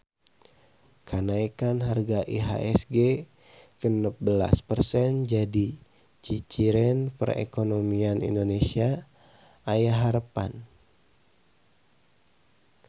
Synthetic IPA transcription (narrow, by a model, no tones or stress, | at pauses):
kʰanaikanɦarɡaʔiɦa̰ʔɛsɡe | kənəp̚bəla̰spərsɛnd͡ʒadi | t͡ʃit͡ʃiɾɛnpə̰rḛkonomianḭndonesiaː | jaɦaɾəpa̰n